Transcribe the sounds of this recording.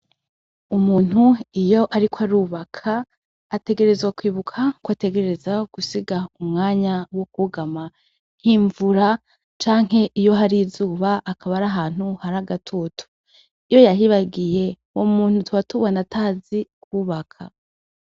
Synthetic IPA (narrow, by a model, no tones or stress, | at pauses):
umuːn̥huijo̞ʔaɾikwaɾuːβakʰaː | te̞ɡe̞ɾe̞zwakwiːβukʰakwate̞ɡe̞ɾeɾe̞zaɡ̥usiɡaumŋaːɲawo̞kuɡama | n̥hiɱvuɾa | t͡ʃaːŋ̥he̞ʔijo̞ɦaɾizuːβaʔːkʰaβaɾaɦaːn̥huhaɾaɡatʰotʰu̥ | ijojaɦiβaɡije̞ | womuːn̥hutuatuβanatʰaːzikʰuːβakʰa̰